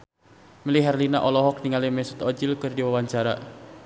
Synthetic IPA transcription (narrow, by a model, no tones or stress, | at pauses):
miliɦɛrlina̰ʔɔlɔɦɔk̚niŋalimɛsut̪ɔd͡ʒilkɨrdiwawaɲt͡ʃaɾa̰